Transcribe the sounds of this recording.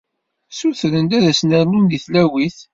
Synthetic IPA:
suθɾənd̪æðæsnəɾlund̪iθlæwiθ

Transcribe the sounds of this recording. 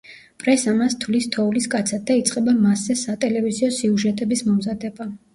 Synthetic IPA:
pʼɾɛsamast̪ʰvlist̪ʰɔuliskʼat̪sʰad̪̚d̪ait̪sʼqʼɛbamaszɛsat̪ʼɛlɛviziɔsiuʒɛt̪ʼɛbismɔmzad̪ɛba

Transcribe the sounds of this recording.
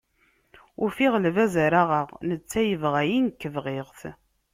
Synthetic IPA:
ʊɾfiʁlvæzəɾaʁəʁnət͡sːæjəvʁæjinkːəvʁeʁθ

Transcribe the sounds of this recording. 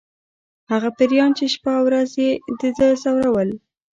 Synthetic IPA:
haɣapɪɾjɑnt͡ʃeʃpawɾazjed̪əd̪əzawɾawəl

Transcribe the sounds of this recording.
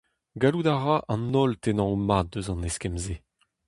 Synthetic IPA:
ɡalud̪aʁaʔɑ̃nːɔlt̪enɑ̃omaːt̚d̪øzɑ̃neskɛmze

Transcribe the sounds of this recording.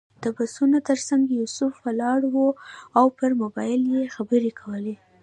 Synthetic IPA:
d̪̥əbasunot̪əɾsaŋɡjusʊfwəlɑɽwoawpəɾmʊbɑjɪljexabəɾekʰawəle

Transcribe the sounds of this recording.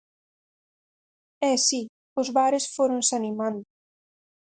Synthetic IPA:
ɛsi | ʊzβaɾɪsfoɾʊnsanimand̪ʊ

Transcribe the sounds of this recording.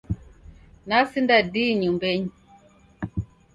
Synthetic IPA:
nasindadiɲumbɛɲ

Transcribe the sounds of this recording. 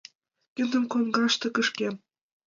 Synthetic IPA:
kʲɘnd̪ɘ̆mkonɡɑʃt̪ɤ̆kɤ̆ʂkʲe

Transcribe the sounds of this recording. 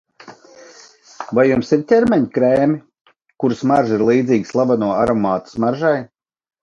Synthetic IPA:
vajjumsiɾt̪ʲɛɾmʲɛɲkɾɛːmʲi | kuɾsmaɾʒiɾlˠiːd̪ziːɡslˠabanuɔaɾɔmaːt̪ḁsmaɾʒaj

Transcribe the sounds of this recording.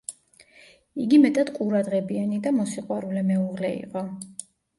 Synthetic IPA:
iɡimɛt̪ʼad̪̥qʼuɾad̪ʁɛbianid̪amɔsiqʼwaɾulɛmɛuʁlɛḭqʼɔ

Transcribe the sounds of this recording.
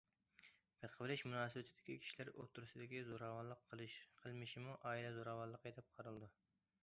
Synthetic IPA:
bəqʰəvɨlɪʃmunɑːsɨbɛt̪ʰɪd̪ɪ̥kʲikʲʰi̥ʃilæɾo̰t̪ʰːuɾusɨd̪ɪkʲizoɾɑːwɑlˠəqʰːəlˠɨʃqʰəlˠmɪʃimuʔɑːilɛzoɾɑːwɑlˠəqet̪ʰɨp̚qʰɑɾɨlˠd̪u

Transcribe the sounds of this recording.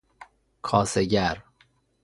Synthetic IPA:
kʰɒːseɟæɾ

